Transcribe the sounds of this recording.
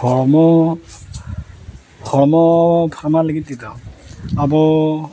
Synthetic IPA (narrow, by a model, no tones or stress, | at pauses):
ɔɹmɔ | kɔɹmɔpʰamalaɡitːitaabɔ